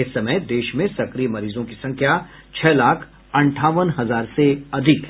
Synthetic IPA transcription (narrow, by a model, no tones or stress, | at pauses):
ɪsɐməjd̪eːʃmẽsɐkɾijmɐɾiːzõkisɐ̃ŋkʰja | t͡ʃʰɛːlaːkʰ | ɐ̃ɳʈʰaːʋənɦɐzaːɾseɐd̪ʱɪk